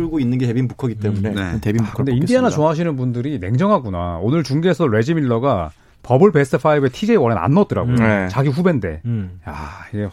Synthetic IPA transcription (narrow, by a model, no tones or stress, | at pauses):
ɭɡoinːɯnɡete̞binmukʰʌɡit͈e̞mune̞ntebimmukʰndeindianat͡ɕoɦaɕ̬ʰinɯnbundɯɾine̞ŋd͡ʑʌŋɦaɡuna̰onɯɭt͡ɕuŋɡesʰʌɾe̞d͡ʑimiɭːʌɡa | pʌbɯɭpe̞s͈ʰɯpʰaibe̞tʰid͡ʑe̞wʌɾena̰nːʌt͈ɯɾa̰ɡojooet͡ɕaɡiɸube̞nde̞̰jaiɡe̞